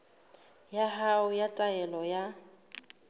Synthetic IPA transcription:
jaɦaʊjatʼaɛlɔja

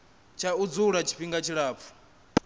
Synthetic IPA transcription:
t͡ʃʰaud͡zuɺat͡ʃʰi̥ɸiŋɡat͡ʃʰiɺaːp̪fʰu̥

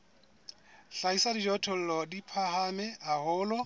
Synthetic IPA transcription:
ɬaisadid͡ʒɔtʰɔl̩lɔdipʰaɦamɛahʊːlɔ

